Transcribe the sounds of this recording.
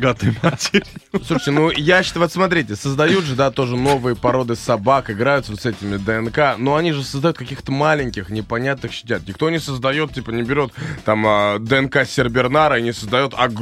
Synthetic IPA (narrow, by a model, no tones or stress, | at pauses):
ɡat̪ɨjmatʲeɾʲɪsuʂə̥tʲɪnujaɕːɪt̪vɛt̪smɐt̪ɾʲitʲɪsəzd̪ɐjut̪ʐɨd̪at̪o̞ʐɨno̞vɨjəpɐɾo̞d̪ɨsɐbakɨɡɾajʊt̪səvot̪sɛtʲɪmʲɪd̪əɛnkano̞ɐnʲiʐɨsəzd̪ɐjut̪̚kɐkʲixt̪əmalʲɪnʲkʲɪxnʲɪpɐnʲat̪̚nɨxɕːɪ̥tʲat̪nʲɪk̚t̪o̞nʲɪsəzd̪ɐjo̞t̪̚ʲtʲipənʲɪbʲɪɾʲo̞t̪t̪aməd̪əɛnkasʲɪrbʲɪrnaɾəinʲɪsəzd̪ɐjo̞t̪ʰɐ